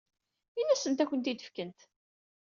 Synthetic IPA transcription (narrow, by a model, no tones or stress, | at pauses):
inːæsənt̪ækʷːənt̪id̪ə̥fkənt̪